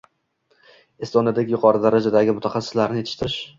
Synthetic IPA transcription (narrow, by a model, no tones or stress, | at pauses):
ɪst̪ɒnad̪ekʲjʊqʰɒɾɪd̪aɾad͡ʒad̪aɡʲɪmʊt̪ʰaχɑsːɪ̥slaɾnɪjet̪ʰɪ̥ʃt̪ʰɪɾɪʃ